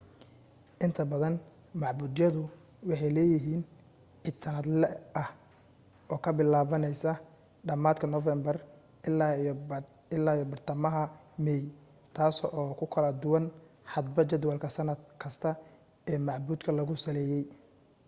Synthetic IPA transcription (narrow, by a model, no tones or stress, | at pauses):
ʔɪnt̪ʰɐbɐðɐn | mɑʕbuːd̪jɐðʊ | wɑħɑjlɛːjɪɦiːn | ʕid̪sɐnɐd̪lɛɐh | ʔɔːkʰɐbɪlaːβɐnɛjsɐ | ɖɐmaːd̪kʰɐnɔfɛmbɐr | ɪlaːjɔbɐrt̪ʰɐmɐɦɐ | mɛj | t̪ʰaːsɔɔːkʰʊkʰɐlɐd̪ʊwɐnħɑd̪bɐt͡ʃɐd̪wɐlkʰɐsɐnɐd̪̚kʰɐst̪ʰɐ | ɛːmɑʕbuːd̪kʰɐlɐɣʊsɐlɛːjɛj